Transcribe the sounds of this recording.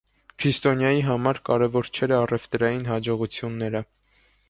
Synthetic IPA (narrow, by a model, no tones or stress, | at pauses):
kʰɾist̪ɔnjɑjiɦɑmɑɾkɑɾɛvɔɾt͡ʃʰɛɾɑrɛft̪ɾɑjinɦɑd͡ʒɔʁut͡sʰjunːɛɾə